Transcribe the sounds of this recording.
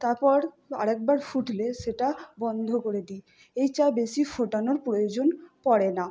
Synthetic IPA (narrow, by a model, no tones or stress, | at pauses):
t̪aɾpɔɾ | a̰ɾɛk̚baɾfuʈʰleʃeʈabɔnd̪ʱokoɾed̪i | ejt͡ɕabeʃifoʈanoɾpɾojod͡ʑonpɔɾena